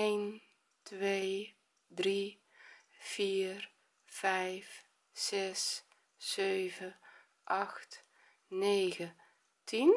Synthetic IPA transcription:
ejn | tʋeː | dri | fiːr | fɛjfː | ɛs | søɥvə | ʔɑxt | neːɣə | tin

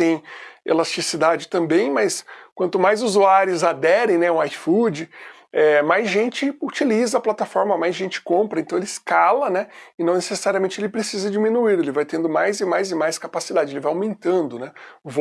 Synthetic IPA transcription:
t̪ẽj̃ḛlast͡ʃisid̪ad͡ʒɪt̪ɐ̃mbẽj̃mɐjskwɐ̃nt̪ʊmajzuzuaɾjʊzad̪ɛɾẽj̃nɛũajfud͡ʒɪ | ɛmajzʒẽnt͡ʃɪut͡ʃilizɐɐplat̪afɔɾmɐmajzʒẽnt͡ʃɪ̥kõpɾɐẽnt̪ɐ̃elɪɪskalɐnɛɪnɐ̃w̃nesesaɾiɐmẽnt͡ʃɪelɪpɾesizɐd͡ʒimĩnuiɾelɪvajt̪ẽnd̪ʊmajzɪmajzɪmajskapasid̪ad͡ʒɪelɪvajawmẽnt̪ɐ̃nd̪ʊnɛʊvo

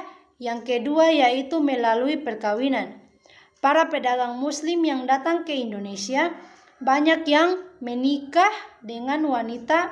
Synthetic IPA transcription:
jaŋkɛduajait̪umɛlaluipɛrkawinan | paɾapɛdaɡaŋmuslimjaŋdat̪aŋkɛindonɛsia | baɲakjaŋmɛnikahdɛŋanwanit̪a

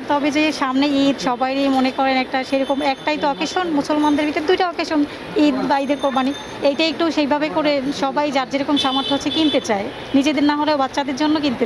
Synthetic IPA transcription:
t̪ɔbed͡ʑeʃamneid̪ʃɔbajɾimonekɔɾenɛk̚ʈaʃejɾɔkomɛk̚ʈajt̪oɔkeʃonmusolmand̪eɾbit̪od̪ujʈaɔkeʃon | id̪baid̪eɾkobani | ejʈaek̚ʈuʃejbʱabekoɾeʃɔbajd͡ʑaɾd͡ʑeɾɔkomʃamaɾt̪ʰːoɦot͡ɕʰːekint̪et͡ɕae | nid͡ʑed̪eɾnaɦoleobat̪ːɕad̪eɾd͡ʑonːokint̪e

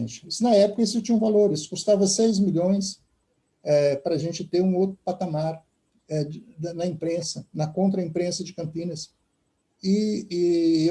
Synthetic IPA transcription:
t͡ʃɪ̥sʊnɐɛpʊ̥kɐisʊt͡ʃĩɲũvaloɾisʊ̥kust̪avɐsejzmiʎõj̃s | ɛpɾɐaʒẽnt͡ʃɪt̪eɾũowt̪ɾʊ̥pat̪amaɾ | ɛd̪ɐnɐĩpɾẽsɐnɐkõnt̪ɾɐĩpɾẽsɐd͡ʒɪkɐ̃pĩnɐs | ɪɪ

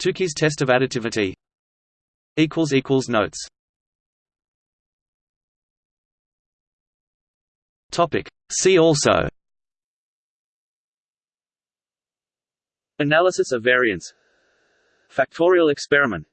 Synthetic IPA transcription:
tʰʉˑkʰiz̥tʰɛs̬təvæɾɨtʰɪvɨɾi | iˑkʰwəlˠziˑkʰwəlˠznəʊts | tʰɒpɪ̰k | siːɔˑlˠsə̰ʊ | ənælˠəsəsəvɛɹiə̃nts | fæk̚tʰɔɹiəlˠɛkspɛɹɪmə̃n

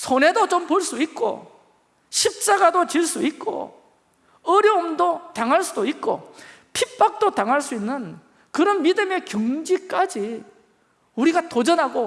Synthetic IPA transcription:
sʰone̞dot͡ɕompoɭs͈uit̚k͈o̰ | ɕʰip̚t͡ɕ͈aɡadot͡ɕiɭs͈uit̚k͈o̰ | ʌɾjʌmdot̪aŋɦaɭs͈udoit̚k͈o̰ | pʰip͈ak̚t͈ot̪aŋɦaɭs͈uinːɯn | kɯɾʌnmidɯme̞kjuŋd͡ʑik͈ad͡ʑi | uɾiɡatod͡ʑʌnɦaɡo

